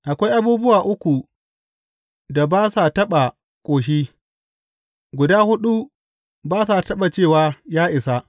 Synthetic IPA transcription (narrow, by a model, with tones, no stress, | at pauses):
ʔa˨kʷa˦jʔa˦buː˦bʊ˦waː˨ʔʊ˦kʷu˨ | da˨baː˦sa˨tɐ˦ɓa˨ | kʷʼoː˨ʃ̬iː˦ | ɡʷʊ˨daː˦hʊ˦ɗu˦ | baː˦sa˨tɐ˦ɓa˨t͡ʃeː˦˨waː˨jaː˦ʔɪ˨sa˦